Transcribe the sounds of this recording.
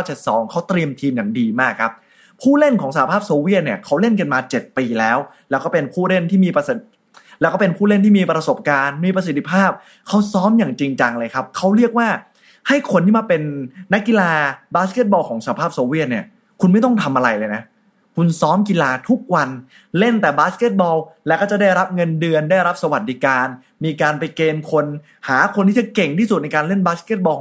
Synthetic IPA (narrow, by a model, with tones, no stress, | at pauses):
t͡ɕe˨˩t̪̚sɔ̰ː˩˦ŋkʰa˦˥wt̪ɾi˧əmt̪ʰiː˧mjaː˨˩ŋdiː˧maː˥˩kʰːa˦˥p̚ | pʰuː˥˩le˥˩nkʰɔː˩˦ŋsaː˧˩˨pʰaː˥˩p̚soː˧wi˥˩ət̪̚ni˥˩ɐkʰa˦˥wle˥˩nka˧nmaː˧t͡ɕe˨˩t̪̚piː˧lɛː˦˥wlɛː˦˥wkɔː˥˩pe˧npʰuː˥˩le˥˩nt̪ʰiː˥˩miː˧ps | lɛː˦˥wkɔː˥˩pe˧npʰuː˥˩le˥˩nt̪ʰiː˥˩miː˧pɾa˧so˨˩p̚kaː˧nmiː˧pɾa˧s̬i˨˩t̪ʰːi˥pʰaː˥˩p̚ | kʰa˦˥wsɔː˦˥mjaː˨˩ŋt͡ɕi˧ŋt͡ɕa˧ŋlɤː˧jkʰa˦˥p̚kʰa˦˥wɾi˥˩ək̚waː˥˩ | ha˥˩jkʰo˧nt̪ʰi˥˩maː˧˩pe˧nːa˦˥kːi˧laː˧baː˦˥ske˥t̪̚bɔː˧wkʰɔː˩˦ŋsa˧˩a˧pʰaː˥˩p̚soː˧wi˥˩ət̪̚ni˥˩ɐ | kʰu˧nma˥˩jt̪̬ɔ˥˩ŋt̪ʰa˧mʔa˧ɾa˧jlɤː˧jna˦˥ | kʰu˧nsɔː˦˥mki˧laː˧t̪ʰu˦˥k̚wa˧n | le˥˩nt̪ɛː˨˩baː˦˥ske˦˥t̪̚bɔː˧wlɛ˦˥wkɔː˥˩t͡ɕa˨˩da˥˩jɾa˦˥p̚ŋɤ˧ndɯ˧əndaː˥˩jɾa˦˥p̚sa˧wa˨˩t̪̚di˦˥kaː˧n | miː˧kaː˧npa˧jkeː˧nkʰo˧n | haː˩˦kʰo˧nt̪ʰiː˥˩t͡ɕa˨˩ke˨˩ŋt̪ʰiː˥˩su˨˩t̪̚na˧jkaː˧nle˥˩nbaː˦˥ske˦˥˩bɔː˧